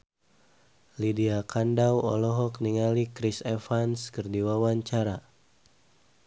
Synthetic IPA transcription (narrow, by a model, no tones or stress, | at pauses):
lidiakandawɔ̰lɔɦɔk̚niŋalikɾisefanskərdiwawaɲt͡ʃaɾa